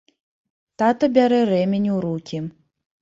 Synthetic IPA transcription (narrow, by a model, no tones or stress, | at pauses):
t̪at̪ɐbʲaɾɛɾɛmʲenʲuwɾukʲʰi